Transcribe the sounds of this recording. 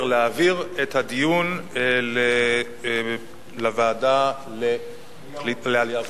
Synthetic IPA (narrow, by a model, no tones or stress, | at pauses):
leaːviʁet̪had̪ijunle | lavaːda | le | ilea